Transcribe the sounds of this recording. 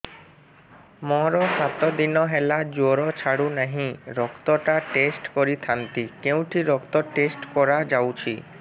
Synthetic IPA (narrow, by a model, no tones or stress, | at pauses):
mɔɦɾosat̪od̪inɔɦɛlad͡ʑoɾot͡ɕʰaɽunaɦĩɾɔkt̪oʈaʈesʈkoɾit̪ʰant̪ikew̃ʈʰiɾɔkt̪oʈesʈkɔɾad͡ʑawt͡ɕʰi